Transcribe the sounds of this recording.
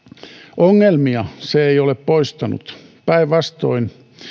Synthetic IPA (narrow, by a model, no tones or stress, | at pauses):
ʔoŋːelmiɑseeioleppoist̪ɑnṵt̪pæiʋʋɑst̪o̰in